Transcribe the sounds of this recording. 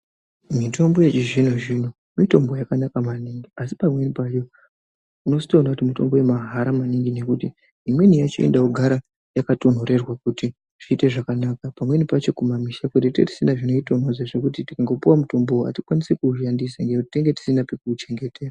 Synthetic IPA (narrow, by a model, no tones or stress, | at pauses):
mito̞mbo̞jet͡ʃiʐin̤oʐino | mito̞mbojakanakamaniŋɡiasi̥pamwe̞nipat͡ʃo̞ | uno̞si̥tanakutimito̞̰mbojemaɦaɾamaniŋɡine̞kutiː | mwe̞nijat͡ʃiḛndauɡʱaɾa | jakato̞n̤o̞ɾe̞rwakuti | ʐ̥iːte̞ʐakanaːkapamwe̞nipat͡ʃo̞kumamiʃakwetetḛti̥sinaʐino̞ito̞nɦozeʐe̞kutitikaŋɡo̞puwamuto̞mboa̰tikwanise̞kuuʃandisaŋɡeutite̞ŋɡe̞ti̥sinapekut͡ʃe̞ŋɡe̞tʰe̞ːra